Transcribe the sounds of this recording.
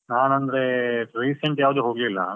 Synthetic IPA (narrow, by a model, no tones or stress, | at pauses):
naːnɐnd̪ɐɾeɾiːseɳʈjaːʋɐd̪uːɦoːɡlilːɐ̰